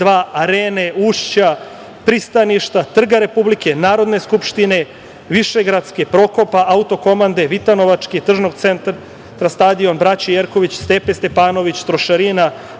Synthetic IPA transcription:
d̪ʋaːaɾeːneuːʃt͡ɕa | pɾist̪aniʃt̪at̪r̩ɡaɾe̞publike̞naːɾo̞d̪ne̞skupʃt̪ine̞ | ʋiʃe̞ɡɾat̪skepɾo̞ko̞paʔaut̪o̞ko̞mand̪eʋit̪ano̞ʋat͡ʃket̪r̩ʒno̞ɡt̪se̞nt̪ɾa | t̪ɾast̪ad̪io̞nbɾat͡ɕijeɾko̞ʋit͡ɕst̪epest̪e̞paːno̞ʋit͡ɕt̪ɾo̞ʃaɾina

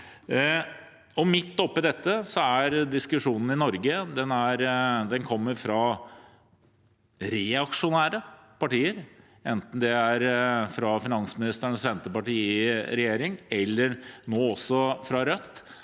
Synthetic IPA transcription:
ɔmɪt̪ːɔpːɪd̪ɛt̪ːəsɔæɾd̪ɪskʉʂuːnn̩ɪnɔɾɡəd̪ɛnæɾd̪ɛnkʰɔmːəɾfɾɑ | ɾɛɑkʂʊnæːɾəpɑʈiːəɾ | ɛnt̪n̩d̪ɛæɾfɾɑfɪnɑnsmɪnɪst̪əɳəssɛnt̪əpɑʈiːɾɛjeːɾɪŋɛlːəɾnoːɔsːɔfɾɑɾœt̪ː

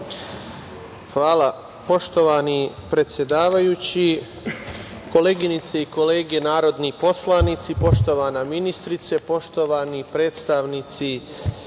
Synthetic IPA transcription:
xʋaːla | po̞ʃt̪o̞ʋanipɾe̞t̪sje̞d̪aːʋajuːt͡ɕi | ko̞leːɡinit̪seiko̞le̞ːɡe̞naːɾo̞d̪nipo̞slˠanit̪sipo̞ʃt̪o̞ʋaːnaminist̪ɾit̪se̞po̞ʃt̪o̞ʋanipɾe̞ːt̪st̪aʋnit̪si

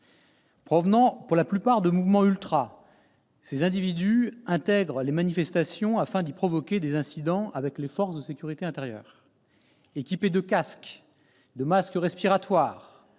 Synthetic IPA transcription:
pχɔvnɑ̃puʁlaplypaʁd̪əmuvmɑ̃ylt̪χa | sezɛ̃d̪ivid̪yɛ̃t̪ɛɡʁlemanifɛst̪asjɔ̃afɛ̃d̪ipχɔvɔkʲed̪ezɛ̃sid̪ɑ̃avɛklefɔʁsd̪əsekʲyʁit̪eɛ̃t̪eʁjœ̰ːʁ | ekʲiped̪əkask | d̪əmaskəʁɛspiʁat̪waːʁ

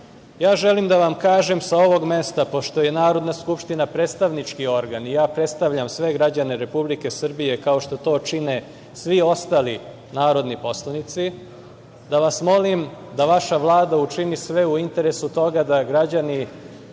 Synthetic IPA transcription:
jaːʒelimd̪aʋamkaːʒemsao̞ʋo̞ɡme̞st̪apo̞ʃt̪o̞jenaːɾo̞d̪naskupʃt̪inapɾeːt̪st̪aʋnit͡ʂkio̞ɾɡanijaːpɾe̞t̪st̪aʋʎamsʋe̞ɡɾad͡ʑaneɾe̞publike̞sr̩bije̞kao̞ʃt̪o̞t̪o̞ːt͡ʂine | sʋio̞st̪aːli | naːɾo̞d̪nipo̞slˠanit̪si | d̪aʋasmo̞limd̪aʋaʃaʋlˠaːd̪aut͡ʂinisʋe̞uint̪e̞ɾesut̪o̞ɡad̪aɡɾad͡ʑani

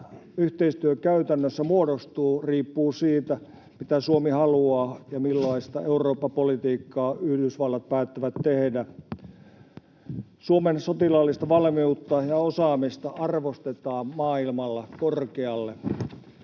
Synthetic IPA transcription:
yht̪eist̪yøkæyt̪ænːøsːæmuodost̪uːriːpːuːsiːt̪æ | mit̪æsuomihɑluɑːjɑmilːɑist̪ɑeuroːpːɑpolit̪iːkːɑːyhdysʋɑlːɑt̪̚pæːt̪ːæʋæt̪tehdæ | suomensot̪ilɑlːist̪ɑʋɑlmiut̪ːɑjɑosɑːmist̪ɑʔɑrʋost̪et̪ɑːmmɑːilmɑlːɑkorkeɑlːe

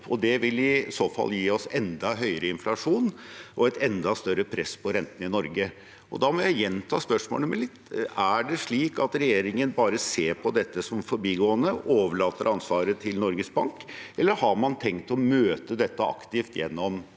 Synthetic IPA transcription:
ʔɔd̪ɛʋɪlʋɪɪsoːfɑ̰lːjiːɔsɛnd̪ɑɦœʏəɾəɪnflɑʂuːnʔɔɛɪt̪ɛnd̪ɑst̪œɾːəpʰɾɛsːpʰɔɾɛnt̪n̩ɪnɔɾɡə | ʔɔ̰d̪ɑmɔjæɪjɛnːt̪ʰɑ̰ːspœʂmo̰ːlnəmɛlɪt̪ːæɖɛʂɭiːkɑt̪ɾɛjeːɾɪŋənbɑːɾəseːɾpʰɔd̪ɛt̪ːəsɔmfɔɾbiːɡoːənəoːʋəɭɑːt̪əɾʔɑnsʋɑːɾət̪ʰɪlnɔɾɡəsbɑŋkʔɛlːəɾhɑɾmɑnt̪ʰɛŋt̪ɔmøːt̪əd̪ɛt̪ːəɑ̰kt̪ɪft̪jɛ̰nːɔm

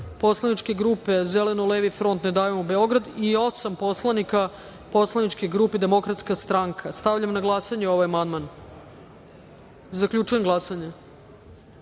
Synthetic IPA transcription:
po̞slˠanit͡ʃke̞ɡɾuːpe̞zelenoleʋifɾo̞nt̪ned̪aːjemobe̞o̞ɡɾad̪io̞sampo̞slˠanika | po̞slˠanit͡ʃkeɡɾuːped̪e̞mo̞kɾat̪skast̪ɾaŋkʰast̪aʋʎamnaɡlˠasaɲeo̞ʋajamand̪man | zakʎʲut͡ʃujeɡlˠasaɲe

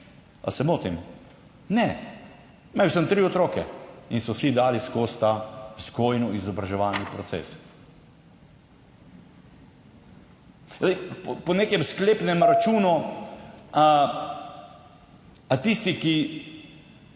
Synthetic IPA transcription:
a̰sɛmoːt̪im | nɛ | mɛjwsəmt̪ɾiɔt̪ɾoːkɛ̰insɔsid̪aːliskoːst̪askojnɔizɔbɾaʒɛʋaːlnipɾɔtsḛːs | zd̪ɛɪpɔneːkɛmskleːpnɛmɾat͡ʃuːnɔ | a | at̪ist̪iki

